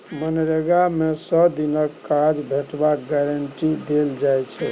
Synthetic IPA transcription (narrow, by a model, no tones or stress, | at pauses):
mənɾeɡamesəd̪inəkːad͡ʒbʱeʈbakɡɛɾəɳʈid̪eld͡ʒajt͡ʃʰɛ